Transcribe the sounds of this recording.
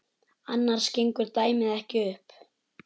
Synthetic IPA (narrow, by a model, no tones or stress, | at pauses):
anːaɾ̥scejŋkʏɾt̪aːjmɪðɛhcɪʏhp